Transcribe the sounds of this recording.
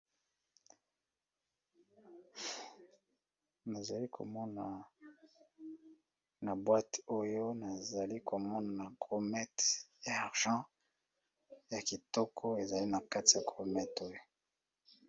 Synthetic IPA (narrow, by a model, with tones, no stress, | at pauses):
na˨za˨li˦kʰo̰˨mɔ˦na˨ | na˨bwa˦to˦jo˦na˨za˨li˦ko˨mɔ˦na˨na˨kʁo˨mɛ˦tjaː˨ʁʒɑ̃˦ | ja˨ki˨tɔ˦kʰo˦e˨za˨li˦na˨ka˦ti˨ja˨kʁo˨mɛ˦to˦jo˦